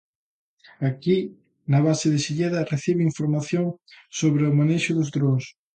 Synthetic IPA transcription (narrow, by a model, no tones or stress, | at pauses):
aki | nɐβaseðɪsiʎeðɐreθiβeiɱfoɾmaθjoŋsoβɾeʊmaneʃʊðʊzðɾos